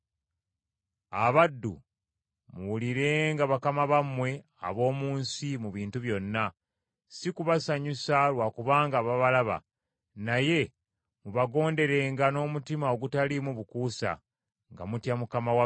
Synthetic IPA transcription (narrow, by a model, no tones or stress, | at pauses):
aβadːṵ | muwuliɾe̞ŋɡaβakamaβamwe̞ | a̰βo̞ːmuːnsimuβiːntuβjo̞nːa | sikuβasaɲusalwakuβaːŋɡaːβaβalaβa̰ | naje̞ | muβaɡo̞ːnde̞ɾe̞ːŋɡano̞ːmutimao̞ɡutalimuβukuːsa̰ | ŋɡa̰mutjamukamawa